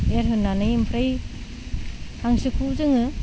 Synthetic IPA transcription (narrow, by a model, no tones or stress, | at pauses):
eɾɦɯnːanɯjimpʰɾaj | haŋsɯkʰuzɯŋɯ